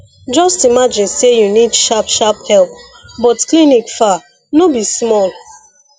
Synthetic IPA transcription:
d͡ʒɔstimad͡ʒĩnsejunidʃapʃaphɛlp | bɔtklinikfa | nobismɔl

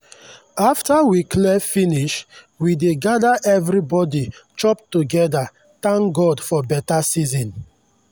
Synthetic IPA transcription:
aftawiklɛfiniʃ | wideɡadaʔɛvɹibɔdit͡ʃɔptuɡɛda | t̪ãŋkɡɔdfɔbɛtasizɔ̃n

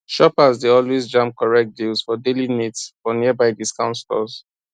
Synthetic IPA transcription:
ʃɔpazdeɔlwezd͡ʒãmp̚kɔɹɛk̚t̚dilsfɔdelinitsfɔniəbaɪdiskãʊ̃ntslɔ̰z

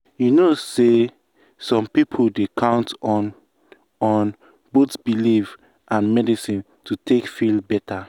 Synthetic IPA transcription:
junose | sɔ̃mpipʰodekʰãʊ̃ntɔn | ɔ̃n | botbilif | ãnmɛdisĩn | tʰutʰekfilbɛtʰa

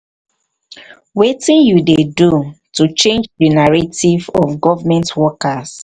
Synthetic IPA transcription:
wetĩnjudedutut͡ʃẽnd͡ʒdinaɹativɔfɡɔvmɛ̃ntwɔkas

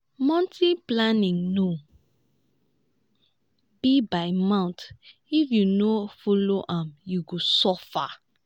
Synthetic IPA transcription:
mɔ̃ntiplanĩŋno | bibaɪmãʊ̃ntifjunofoloʔãmjuɡosɔfa

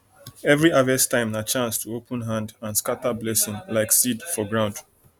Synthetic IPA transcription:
ɛvɹiavɛstãɪ̃mnat͡ʃãnstʰuopʰə̃nɦãndãnskatablɛsĩŋlaɪksidfɔɡɹãʊ̃nd

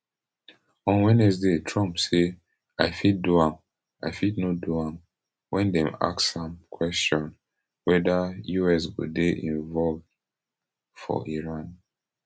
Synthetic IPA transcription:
ɔ̃nwɛnɛsdetʰɹɔ̃mpse | aɪfid̚duãm | aɪfidnoduãm | wɛ̃ndɛ̃ma̰ksãmkʰwɛstɔ̃n | wɛdajuɛs̬wṵdeʔĩɱvɔlv | fɔ̰ʔiɹãn

